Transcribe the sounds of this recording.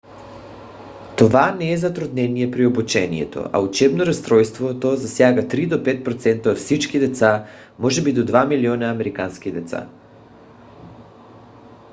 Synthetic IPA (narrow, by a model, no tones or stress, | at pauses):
t̪ovanɛːzat̪ɾud̪nɛnijɛpɾiobut͡ʃɛnḭjɛ̰t̪o̰a̰ut͡ʃɛbnoɾast̪ɾɔjst̪vot̪ozasjaɡat̪ɾid̪opɛt̪̚pɾot̪sɛnt̪aot̪fsit͡ʃkid̪ɛt̪sa | mɔʒɛbid̪od̪vamilionaamɛɾikanskid̪ɛt̪sa̰